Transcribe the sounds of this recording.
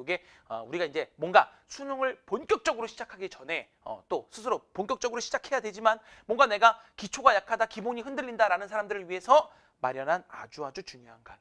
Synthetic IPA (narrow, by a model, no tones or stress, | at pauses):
oɡe̞ | ʌ̰uɾiɡaind͡ʑe̞mwʌnɡa | sʰuɲoŋɯɭponk͈jʌk̚t͡ɕ͈ʌɡɯɾoɕʰid͡ʑakʰaɡit͡ɕʌnɦe̞ | ʌ̰t͈osʰɯs̬ʰɯɾoponk͈jʌk̚t͡ɕ͈ʌɡɯɾoɕʰid͡ʑakʰe̞jadwe̞d͡ʑimanmwʌŋɡane̞ɡakit͡ɕʰoɡajakʰadakiboɲiɸɯndɯʎːindaɾanɯnsʰaɾamdɯɾɯɭɥiɦe̞sʰʌ | maɾjʌnɦana̰d͡ʑuɦad͡ʑut͡ɕuɲjoɦanɡa